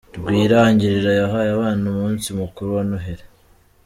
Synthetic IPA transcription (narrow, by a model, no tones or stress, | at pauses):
tuɡwiːɾaːɲɟiɾiɾajaɦajaβaːnumuːnsimukuɾuwanuɦeɾe